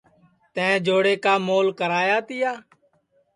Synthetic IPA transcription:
t̪ɛ̃ːd͡ʒoːɽeːkaːmoːlkəɾaːjaːt̪ɪjaː

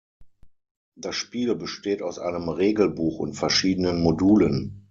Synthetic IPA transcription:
d̥asʃpiːlbəʃteːtaʊsʔa̰ɪnəmʁeːɡl̩buːxʊ̰ntfɛɐʃiːdənənmoduːlən

